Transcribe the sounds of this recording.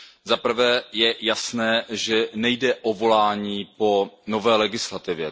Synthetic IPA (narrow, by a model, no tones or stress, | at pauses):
zapr̩vɛːjɛjasnɛːʒɛnɛjdɛʔo̞vo̞laːɲiːpo̞no̞vɛːlɛɡɪslat̪ɪvjɛ